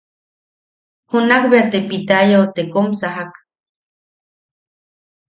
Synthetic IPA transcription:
hunakbeat̪epit̪ajaot̪ekomsaɦak

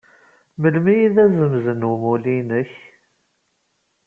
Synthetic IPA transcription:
məlmijiðæzəmzənumulinəç

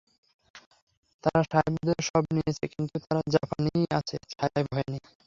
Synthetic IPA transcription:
t̪aɾaʃajbd̪eɾʃɔbnijet͡ɕʰekint̪ut̪aɾad͡ʑapanijat͡ɕʰet͡ɕʰajajbʱɔeni

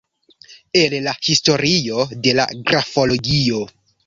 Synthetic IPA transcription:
e̞llahisto̞ɾio̞de̞la̰ɡɾafo̞lo̞ɡio̞

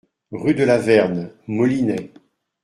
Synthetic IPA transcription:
ʁyd̪əlavɛʁnmɔlinɛ

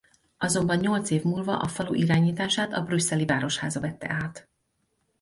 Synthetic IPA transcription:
ɒzo̞mbɒɲːo̞lt̪seːvmuːlvɒ̰ʔɒfɒlṵːʔiɾaːɲiːt̪aːʃaːt̪ɒbrysːɛlivaːɾo̞ʃhaːzɒvɛt̪ːɛ̰ʔaːt̪

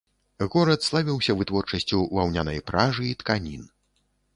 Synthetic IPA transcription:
ɣɔɾɐt̪slˠavʲiwsʲɐvɨt̪vɔrt͡ʂɐsʲt͡sʲuvawnʲanɐjpɾaʐɨːt̪kanʲin

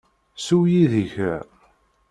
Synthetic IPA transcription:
suwjiðəçə

